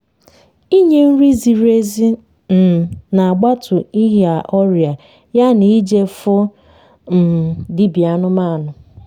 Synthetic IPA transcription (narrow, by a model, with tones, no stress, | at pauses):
i˦ɲe˦n̩˦ɾi˦zi˨ɾe˦zi˦ | n̩˨na˨a˨ɡ͡ba˦tʰʊ˨i˦ɦa˨ʔɔ˦ɾja˨ | ja˦ni˨˦d͡ʒe˦fʊ˦ | n̩˨dɪ˦bi˨a˨nʊ˦ma˦˨nʊ˨